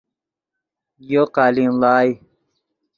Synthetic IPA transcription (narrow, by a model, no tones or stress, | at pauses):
joqaːlinlaːj